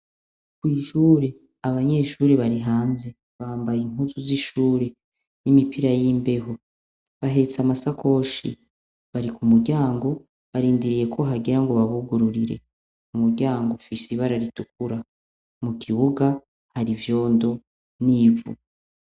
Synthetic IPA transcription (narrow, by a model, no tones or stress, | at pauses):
kwiːʃuːɾe | aβaɲe̞ːʃuːɾeβaɾiɦaːnze̞ | βaːmbajiŋ̥uzuziʃuːɾe | nimipiɾajimbe̞ɦo̞ | βaɦe̞t͡samasakʰo̞ːʃḭ | βaɾikumuɾɟaːŋɡo̞ | βaɾiːndiɾije̞kʰo̞ɦaɡiɾaŋɡo̞βaβuɡuɾuɾiɾe̞̰ | umuɾɟaːŋɡofisiβaɾaɾituk̚uɾa | mukʰiβuɡa | haɾivjo̞ːndo̞ | niːvṵ